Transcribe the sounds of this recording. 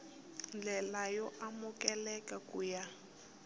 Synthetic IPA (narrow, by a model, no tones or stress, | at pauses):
nd͡ɮɛlajɔʔamukɛlɛkakuja